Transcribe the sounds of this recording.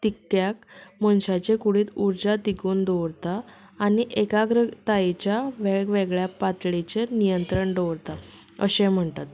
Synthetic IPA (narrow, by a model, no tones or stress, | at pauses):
t̪ikːjak̚məɳɕat͡ɕekuɽiːt̪uɾd͡ʑat̪iɡuːnd̪oʋɽt̪aː | niʔekaɡɾət̪aet͡ɕjaʋeɭɡʋeɡɭjapat̪ɭit͡ɕenijənt̪ɾəɳɖoʋɽt̪a | əɕẽm̤əɳt̪at̪